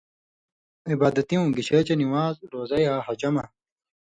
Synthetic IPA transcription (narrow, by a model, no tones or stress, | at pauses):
ibaːd̪ɐt̪iũːɡiɕet͡ɕɐniwaːzɾoːzɐjaːɦɐd͡ʑɐmɐ